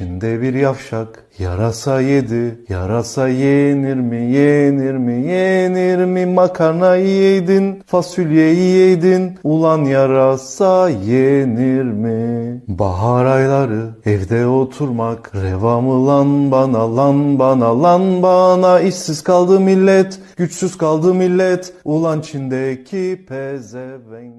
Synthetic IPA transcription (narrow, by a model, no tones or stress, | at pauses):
t͡ʃind̪ɛbiɾjafʃak | ja̰ɾasajed̪ija̰ɾasajeniɾmijeniɾmijeniɾmimakʰaɾnajijejd̪infasylʲjejijejd̪inulˠanjaɾasajeniɾmiba̰ɦaɾajlˠaɾɯɛvd̪ɛo̞t̪ʰuɾmakɾevamɯlˠanbanalˠanbanalˠanbanaiʃsizkʰalˠd̪ɯmilʲːɛt̪ɟ̥yt͡ʃsyz̥kʰalˠd̪ɯmilʲːɛt̪ulˠant͡ʃʰind̪ɛcʰipʰɛzɛvɛn